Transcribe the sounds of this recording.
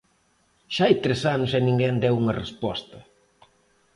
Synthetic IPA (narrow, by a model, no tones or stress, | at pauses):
ʃaajt̪ɾesanʊsɛnĩŋɡɛnd̪ɛwuŋɐrespɔst̪ɐ